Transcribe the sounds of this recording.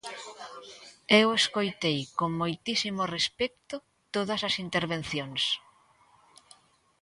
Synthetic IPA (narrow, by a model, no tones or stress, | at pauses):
eweskojt̪ejkoŋmojt̪isimʊrespɛk̚t̪ʊ | t̪oðɐsɐsint̪eɾβenθjoŋs